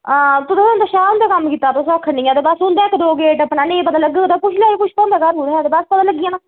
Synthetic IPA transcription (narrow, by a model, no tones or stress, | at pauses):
t̪ʊd̪sʊnaːʃaːnd̪aːkəmːkiːt̪ːaːt̪ʊsãkʰːənĩːaːd̪ebasʊnd̪aːɪkʰd̪oːɡeːʈəpnaːnẽːpəd̪ãːləɡːaːod̪aːpʊʃʰlɛːeːkʊʃʰpɔ̃ːnd̪aːkəɾuːɾɦɛd̪eːbaspəd̪ãːləɡːiãː